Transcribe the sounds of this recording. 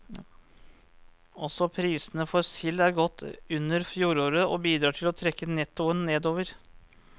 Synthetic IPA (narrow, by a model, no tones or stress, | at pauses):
ɔsɔpʰɾiːsənəfɔɾsɪlːæɾɡɔt̪ːʉnːəɾfjuːɾoːɾəɔbiːd̪ɾɑːʈʰɪlɔt̪ʰɾɛkːənɛt̪ːʊənːeːd̪oːʋəɾ